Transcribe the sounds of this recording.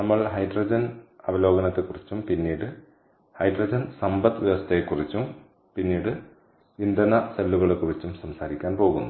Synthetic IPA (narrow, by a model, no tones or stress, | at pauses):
nɐmːɐɭɦɐjdrod͡ʑɐnɐʋɐlo̞ːɡɐnɐt̪ːe̞kːurit͡ɕːumpinːiːɽɨ | hɐjdroːd͡ʑɐnsɐmbɐt̪ːʋiʋɐst̪ʰejekːurit͡ɕːum | pinːiːɽɨ | ind̪ɐnɐsɐlːuɣɐɭekːurit͡ɕːumsɐmsaːɾikʲːaːnpo̞ːɣunːu